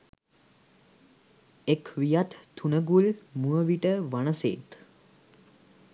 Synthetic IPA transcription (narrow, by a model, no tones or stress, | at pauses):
ekʋijat̪ːunəɡulmuəʋiʈəʋanəsḛːt̪